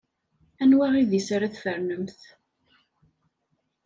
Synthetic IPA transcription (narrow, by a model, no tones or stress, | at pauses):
ænwæʁiðisaɾaθfəɾnəmθ